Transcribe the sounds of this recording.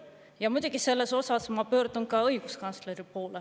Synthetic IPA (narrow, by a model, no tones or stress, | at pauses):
jɑmud̪̥ʲuɡ̥ise̞lːe̞so̞sɑsmɑpøːɾd̪̥unkɑɤjɡ̥uskɑnsleɾipo̞ːle